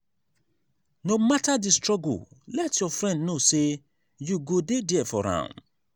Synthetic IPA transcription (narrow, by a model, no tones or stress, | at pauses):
nomatadistɹ̥ɔɡʊ̰llɛtjɔfɹɛ̃ndnose | juɡodediɛfɔɹã̰ʊ̃n